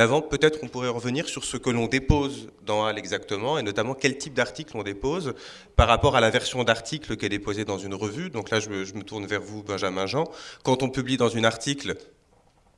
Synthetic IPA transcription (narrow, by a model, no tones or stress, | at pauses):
avɑ̃pøt̪ɛt̪χɔ̃puʁɛʁəvəniʁsyʁsəkəlɔ̃d̪epozd̪ɑ̃alɛɡzakt̪əmɑ̃enɔt̪amɑ̃kʲɛlt̪ʰip̚d̪aʁt̪iklɔ̃d̪epoz | paʁːapɔʁalavɛʁsjɔ̃d̪aʁt̪ʰikləkʲiɛd̪epozed̪ɑ̃zynʁəvyd̪ɔ̃klaʒəʒəmət̪uʁnvɛʁvubɛ̃ʒamɛ̃ʒɑ̃kɑ̃t̪ɔ̃pyblid̪ɑ̃zynaʁt̪ikl